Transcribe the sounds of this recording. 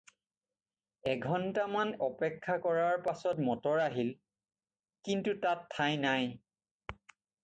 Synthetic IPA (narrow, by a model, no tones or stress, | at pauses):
ɛɡʱɔntamanɔpɛkʰːakɔɹaɹpasɔtmɔtɔɹaɦil | kintutatʰːajnaj